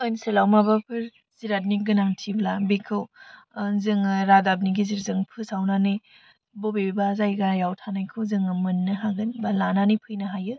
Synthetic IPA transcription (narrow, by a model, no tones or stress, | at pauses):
ojnisɯlawmabapʰɯɾ | ziɾat̚niɡɯnaŋtʰiblabikʰɯw | zɯŋɯɾadab̚niɡiziɾzɯŋpʰɯsawnanɯ | bobebazajɡajawtʰanajkʰɯwzɯŋɯmɯnːɯɦaɡɯnbalananipʰɯjnɐɦajɯ